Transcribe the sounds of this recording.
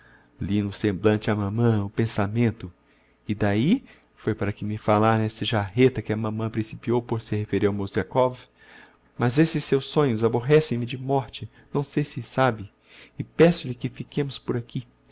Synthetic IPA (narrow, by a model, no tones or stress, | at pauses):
linʊsẽmblɐ̃nt͡ʃɪɐmɐ̃mɐ̃ʊpẽsamẽnt̪ʊ | ɪd̪ai | fojpaɾɐkɪmɪfalaɾnesɐʒaɦet̪ɐkɪɐmɐ̃mɐ̃pɾĩsipiowpoɾsehefeɾiawmowsʊʒakɔv | mɐzesɪsːewsːõɲʊzaboɦɛsẽj̃mɪd͡ʒɪmɔɾt͡ʃɪ | nɐ̃w̃sejsɪsabɪ | ɪpɛsʊlɪkɪfikẽmʊspʊɾakʰi